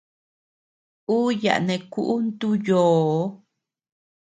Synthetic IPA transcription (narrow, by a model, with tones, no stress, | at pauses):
u˦ja̰˨ʔnẽ˨ku˦ʔu˦nt̪u˦joː˨˦